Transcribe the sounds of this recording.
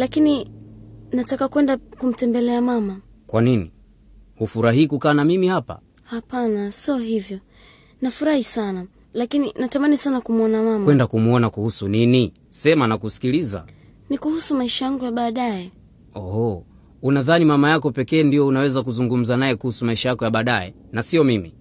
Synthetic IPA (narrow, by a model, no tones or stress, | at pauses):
lakini | natakakwɛndakum̩tɛmbɛlɛamama | kwaninḭ | hufuɾaɦiːkukaːnamimihapa̰ | hapanasiɔɦivjɔ | nafuɾahisana | lakininatamanisanakumuɔnamamɛndakumuɔnakuhusunini | sɛmanakusi̥kiliza̰ | nikuhusumaiʃajaŋɡujaɓaːɗajɛ | ɔhɔ | unaðanimamajakɔpɛkɛːndijɔunawɛzak̬uzuŋɡum̩zanajɛkuhusumaiʃajakɔjaɓaːɗajɛ̰ | nasiɔmimi